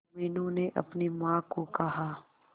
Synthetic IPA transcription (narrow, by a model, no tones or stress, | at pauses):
mɪnõneʔɐ̰pnimãːkokɐɦaː